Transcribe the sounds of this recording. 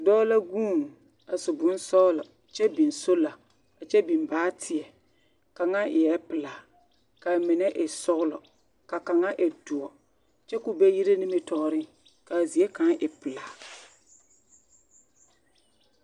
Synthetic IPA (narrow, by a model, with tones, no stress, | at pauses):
dɔː˦la˦ɡũː˦˨ŋ˨ | a˨sʊ˨bʊ˨˦n˦sɔ˦lɔ˨ | t͡ʃɛ˦bi˨nso˦la˨ | a˨t͡ʃɛ˦bi˨mbaː˦tʰɪ˨ɛ˨ | ka˨ŋa˦ʔɪ˨jɛ˦pɪ˨laː˨ | ka˨mɪ˨nɛ˦ʔɪ˨sɔ˦ɣʊ˦lɔ̰˨ | ka˨ka˨ŋa˦ʔɛ˨du˨ɔ˨ | t͡ʃɛ˦kʊ˦bɛ˦ji˦ɾe˦ni˦me˦tɔ˨˦ɾɪ˦ŋ | ka˨zi˨e˦ka˨˦ŋʔɪ˨pɪ˨laː˨